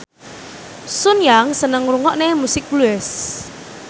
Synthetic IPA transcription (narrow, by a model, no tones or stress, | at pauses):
sʊnjaŋsənəŋɾuŋɔʔnemusɪk̚bluɛs